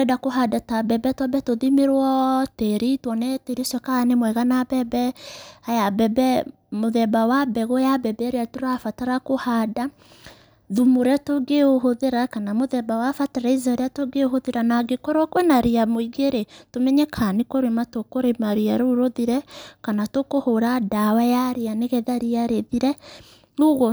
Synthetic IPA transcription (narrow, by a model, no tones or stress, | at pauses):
ɛdakoɦadatabɛbɛtwɔbɛtoðimeɾwɔteɾitwɔnɛteɾesɔkaanemwɛɣanabɛbɛajabɛbɛ | moðɛbawabɛɣojabɛbɛɾeatoɾafataɾakohada | ðumoɾɛtoɡeoɦoðeɾakanamoðɛbawafataɾaizaɾeatoɡeoɦoðeɾanaɡekɔɾwakwɛnaɾeamoiɡeɾetomɛɲɛkʰanekoɾematokoɾemaɾeaɾoɾoðiɾɛkanatokohoɾadawɛjaɾeaneɣɛðaɾiaɾeðiɾɛ | oɣɔ